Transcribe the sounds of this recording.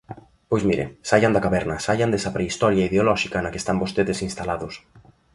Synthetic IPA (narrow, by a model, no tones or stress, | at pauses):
pojzmiɾḛsajand̪ɐkaβɛɾnɐsaʎand̪ɛsɐpɾeist̪ɔɾjaiðeolɔʃikɐnɐke̥st̪ambost̪eðesinst̪alaðʊs